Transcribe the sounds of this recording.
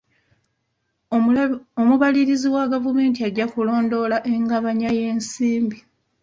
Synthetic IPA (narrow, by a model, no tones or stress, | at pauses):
omuβaliɾiziwaɡavume̞ːntiaɟakulo̞ːndo̞laʔeŋɡaβaɲaje̞ːnsiːmbi